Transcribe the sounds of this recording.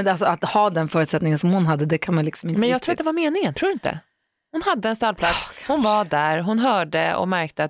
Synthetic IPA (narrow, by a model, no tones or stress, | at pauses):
ɛalsɔat̪hɑːd̪ɛnfœːɾʉt̪sɛt̪nɪŋənsɔmhʊnɦad̪ːəd̪ɛkʰanmanlɪksɔmɪnmɛnj̪ɑɡt̪ʰɾːat̪d̪ɛvaɾmeːnɪŋənt̪ʰɾuːdɪnt̪ə̰ | hʊnhad̪ːəɛnst̪alpʰlat̪shʊnvaɖ̪æɾɦʊnɦœːɖəɔ̰mæɾkt̪əat̪